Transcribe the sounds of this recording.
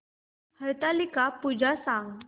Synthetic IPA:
həjt̪alikapud͡ʑʱasãŋɡ

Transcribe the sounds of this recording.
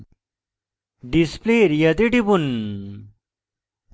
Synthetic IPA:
ɖispleɾjɐt̪̬eʈibun

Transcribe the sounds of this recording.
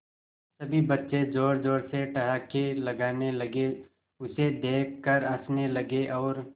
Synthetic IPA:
sɐbʱibɐtːʃed͡ʒoːɾd͡ʒoːɽseʈɐɦaːkelɐɡaːnelɐɡe | ʊsed̪eːk̚ʰkəɾə̃snelɐɡeʔɔːɾ

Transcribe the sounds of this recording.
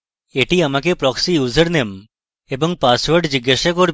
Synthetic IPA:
eʈiamak̬epɾɔksijuzəɾnem | ebɔŋpasʋəɾɖd͡ʒiɡːaʃakoɾ

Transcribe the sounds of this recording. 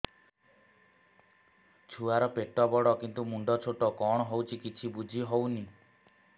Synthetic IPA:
t͡ʃʰuaɾɔpeʈɔbɔɽɔkint̪umuɳɖɔt͡ʃʰoʈɔkɔɽ̃ɔɦowt͡ʃʰikit͡ʃʰibud͡ʒʱiɦowni

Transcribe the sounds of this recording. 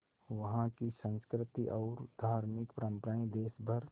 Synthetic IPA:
ʋɐɦãkisə̃nskɾɪt̪iʔɔːɾd̪ʱaːɾmɪkpɾə̃mpɾaːĩd̪eːsbʱəɾ

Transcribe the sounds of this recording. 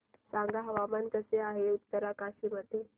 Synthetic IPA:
sãŋɡaɦəʋamank̪əseaɦeut̪ːəɾakaɕiməd̪ʱːje

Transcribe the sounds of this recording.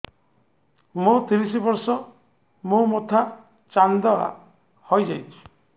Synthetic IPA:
mũt̪iɾisibɔɾsɔ | mũmot̪ʰa | t͡ʃand̪ɔa̰ | hojd͡ʒajt͡ʃʰu̥

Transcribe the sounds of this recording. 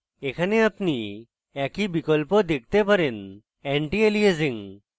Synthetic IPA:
ekʰaneapni | ɛkibikɔlpɔd̪ek̚t̪epaɾen | eɳʈielieziŋ

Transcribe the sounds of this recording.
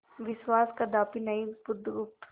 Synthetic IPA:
ʋɪʃwaːskad̪aːpinɐibʊd̪ɡʊp̚t̪

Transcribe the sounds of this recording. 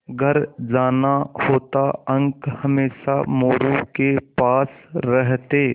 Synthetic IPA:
ɡʱɐɾd͡ʒaːnahoːt̪aə̃ŋkhɐmeːʃamoːɾukepaːsɾəɦt̪eː

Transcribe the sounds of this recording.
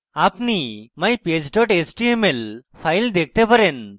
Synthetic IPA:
apnimajped͡ʒɖɔʈet͡ʃʈiemelpʰajld̪ek̚ʰt̪epəɾen

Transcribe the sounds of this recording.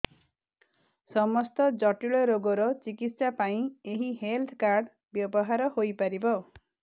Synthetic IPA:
sɔmɔst̪ɔd͡ʒɔʈiɭɔɾoɡɔɾɔt͡ʃikit̪sapaĩeɦiɦelt̪ʰkaɾɖ | bjɔbɔɦaɾɔhojpaɾibɔ

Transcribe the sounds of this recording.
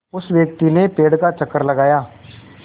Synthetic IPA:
ʊsʋjək̚t̪inepeːɽkat͡ʃəkːəɾləɡaːjaː

